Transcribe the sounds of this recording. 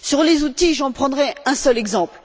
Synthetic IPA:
syʁlezut̪iʒɑ̃pχɑ̃d̪ʁɛɛ̃sœlɛɡzɑ̃pl

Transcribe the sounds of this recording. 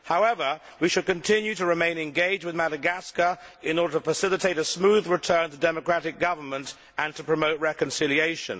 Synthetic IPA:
haʊɛvə˞ | wiʃɨd̚kɨ̃ntʰɪ̃njʉɾəɹɨmẽɪ̃nɨ̃nɡeɪd͡ʒwɨðmæɾəɡæskəɪ̃nɔɹɾəɾtəfəsɪlˠɨtʰeɪɾəsmuðɹɪtʰɜ̃˞ntʰədɛməkɹ̥æɾɪk̚ɡ̥ʌvə˞mə̃nt | ʔə̃ntʰəpʰɹ̥əmoʊt̚ɹɛkɨ̃nsɪlˠieɪʃə̰̃n

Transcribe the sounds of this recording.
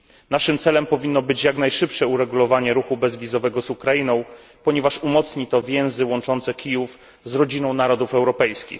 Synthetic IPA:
naʂɘmt̪sɛlɛmpɔvʲinːɔbɘt͡ɕjaknajʂɘpʂɛuɾɛɡulɔvaɲɛɾuxubɛzvʲizɔvɛɡɔzukɾainɔ̃w̃ | pɔɲɛvaʂumɔt̪sɲit̪ɔvʲjɛ̃w̃zɘwɔnt͡ʂɔnt̪sɛkʲʰijuf | zɾɔd͡ʑinɔ̃w̃naɾɔd̪ufɛwɾɔpɛjskʲḭx

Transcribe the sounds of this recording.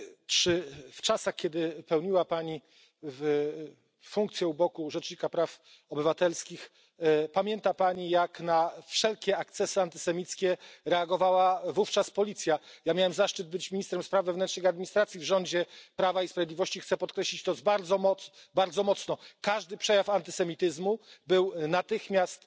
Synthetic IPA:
t͡ʂɘft͡ʂasaxkʲɛd̪ɘpɛwɲiwapaɲi | v | fuŋk̚t̪sʲjɛubɔkuʐɛt͡ʂɲikapɾaf | ɔbɘvat̪ɛlskʲix | pamʲjɛnt̪apaɲijaknafʂɛlkʲɛak̚t̪sɛsɘant̪ɘ̥sɛmʲit̪skʲɛɾɛaɡɔvawavuft͡ʂaspɔlʲit̪sʲjajamʲjawɛmzaʂt͡ʂɘd̪̚bɘt͡ɕmʲiɲist̪ɾɛmspɾavːɛvnɛntʂnɨxad̪̚mʲiɲist̪ɾat̪sʲjivʐɔɲd͡ʑɛpɾavaispɾavʲjed̪lʲivɔɕt͡ɕixt̪sɛpɔt̪kɾɛɕlʲit͡ɕt̪ɔzbaɾd̪zɔmɔt̪baɾd̪zɔmɔt̪snɔkaʐd̪ɘpʂɛjafant̪ɘ̥sɛmʲit̪ɘzmubɘwnat̪ɘxmʲjast̪

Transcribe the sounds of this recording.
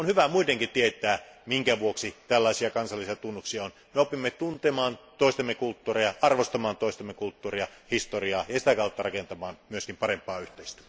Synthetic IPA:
onhyʋæmuit̪eŋkit̪iet̪ˑæːmiŋkæʋuoksit̪ælːɑˑisiɑkɑnsɑlːˑisiɑt̪unːuksiɑon | meopimːet̪unt̪emɑːnt̪oˑist̪ɑmːekult̪ːuːrejɑʔɑrʋost̪ɑmɑːnt̪oˑist̪ɑmːekult̪ːuːriɑhist̪oriɑːjɑsit̪ækɑˑut̪ːɑrɑkent̪ɑmɑːnmyøskimpɑrempˑɑːyht̪eist̪æ̥

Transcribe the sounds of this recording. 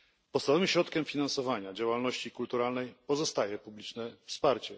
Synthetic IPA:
pɔt̪savɔvɘɕɾɔt̪kʲɛmfʲinansɔvaɲad͡ʑawalnɔɕt͡ɕikult̪uɾalnɛjpɔzɔst̪ajɛpublʲit͡ʂnɛfspaɾt͡ɕɛ

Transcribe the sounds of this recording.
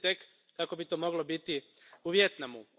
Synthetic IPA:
t̪ek | kako̞bit̪oːmo̞ɡlo̞bit̪i | uʋje̞t̪namṵ

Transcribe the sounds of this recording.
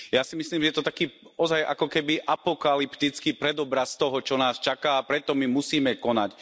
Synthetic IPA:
jasimisliːmʒɛjɛt̪ɔt̪akiːɔzajʔa̰kɔkɛbiʔapɔkalipt̪it͡skiːpɾɛd̪ɔbɾast̪ɔɦɔt͡ʃɔnaːst͡ʃakaːpɾɛt̪ɔmimusiːmɛkɔnac

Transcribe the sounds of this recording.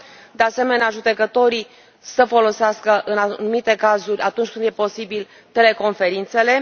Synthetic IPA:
d̪e̞ase̞me̞neaʒud̪e̞kət̪o̞ɾi | səfo̞lo̞seaskəʔɨnanumit̪e̞kazurʲʔat̪unt͡ʃʲkɨnd̪je̞po̞sibil | t̪e̞le̞ko̞nfe̞ɾint̪se̞le̞

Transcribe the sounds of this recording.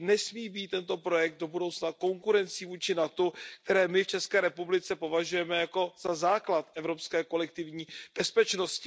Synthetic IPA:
nɛsmiːbiːt̪ːɛnt̪o̞pɾo̞jɛk̚t̪do̞budowt͡snako̞ŋkuɾɛnt͡siːvuːt͡ʃɪnat̪uk̚t̪ɛɾɛːmɪft͡ʃɛskɛːɾɛpublɪt͡sɛpo̞vaʒujɛmɛjako̞z̥azaːklat̪ʔɛvɾo̞pskɛːko̞lɛk̚t̪ɪvɲiːb̥ɛspɛt͡ʃno̞scɪ

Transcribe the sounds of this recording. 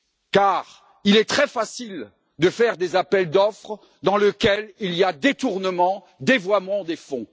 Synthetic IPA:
kaːʁ | ilɛt̪χɛfasil | d̪əfɛʁd̪ezapɛld̪ɔfχ | d̪ɑ̃ləkʲɛliliad̪et̪uʁnəmɑ̃ | d̪evwamɑ̃d̪efɔ̃

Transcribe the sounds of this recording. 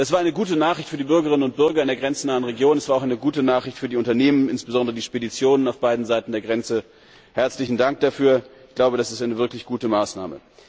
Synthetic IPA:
das̬v̥aɐaɪnəɡuːtənaːχʁ̥ɪçtfyːɐdiːbʏɐɡəʁ̞ɪnənʊnt̚b̥ʏɐɡɐɪndeːɐɡʁɛnt͡sn̩aːənʁeɡjoːnɛsv̥aːɐaʊxʔaɪnəɡuːtənaːχʁɪçtfyːɐdiːʊntɐneːmənɪnsb̥əzɔndəʁədiːʃpedit͡sjoːnənaʊfb̥aɪdn̩zaɪtn̩deːɐɡʁɛnt͡sə | hɛɐt͡slɪçn̩daŋk̚d̥afyːɐɪɡ̥laʊbədasɪstʔaɪnəvɪɐklɪçɡ̥uːtəmaːsna̰ːmə̰

